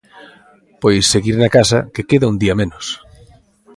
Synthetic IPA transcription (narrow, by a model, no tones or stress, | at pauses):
pojsːeɣiɾnakasɐ̰kekeðaund̪iɐmẽnos